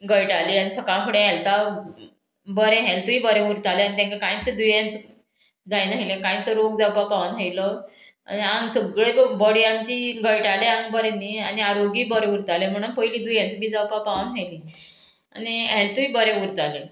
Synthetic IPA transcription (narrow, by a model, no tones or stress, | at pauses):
ɡəjʈaliːanisəkãkʰuɽẽɦɛlt̪a | bəɾẽɦɛlt̪uibəɾẽuɾt̪aleanit̪ẽŋkakãĩt̪əd̪ujãnt͡s | d͡zajnaɦilẽkãĩt̪əɾoɡd͡zawpapaʋnɦailɔ | a̰niaŋɡsəɡɭebəɽiamt͡ɕiɡəjʈalẽaŋɡbəɾẽnːianiaɾoɡiːbəɾẽuɾt̪alem̤əɽ̃unpəilĩːd̪ujãnt͡səbiːd͡zawpapaʋənɦajli | añiɛlt̪uibəɾẽuɾt̪alẽ